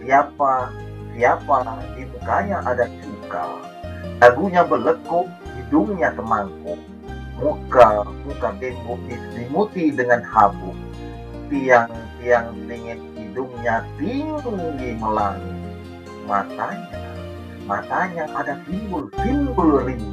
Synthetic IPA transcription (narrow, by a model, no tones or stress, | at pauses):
siapa | siapadimukaɲaʔadasuka̰ | laɡuɲabələkʊk̚diduŋɲasəmaŋkʊʔ | mukamukabemut̪isdimut̪idəŋanhabʊk̚ | t̪iaŋt̪iaŋniŋɪt̪̚idʊŋɲat̪iŋdudiməlaŋi | mat̪aɲa | mat̪aɲaʔadasimbəlsimbəlli